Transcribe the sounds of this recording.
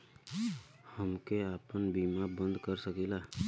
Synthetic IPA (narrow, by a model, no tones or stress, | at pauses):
həmkeaːpənbiːmabə̃nd̪ʱkəɾsəkila